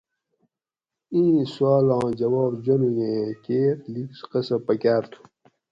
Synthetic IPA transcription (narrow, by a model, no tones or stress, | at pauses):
ĩːswaːlãːd͡ʑɐwaːbd͡ʑonujẽːkeːɾliksqɐsɐpɐkaːɾt̪ʰu̥